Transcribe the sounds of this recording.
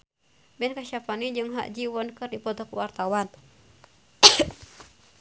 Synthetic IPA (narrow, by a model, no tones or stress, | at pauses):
bɛnkaʃapanid͡ʒɨŋɦa̰ʔd͡ʒiwɔnkɨrdipɔt̪ɔkwart̪awan